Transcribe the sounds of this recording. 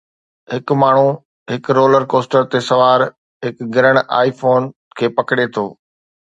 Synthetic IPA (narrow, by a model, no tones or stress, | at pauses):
ɦɪkmaːɳ̤u | ɦɪkɾoːləɾkoːsʈəɾt̪esɐʋaːɾ | ɦɪkɡɪɾəɽ̃a̰ːifoːn | kʰeːpɐkɽet̪ʰoː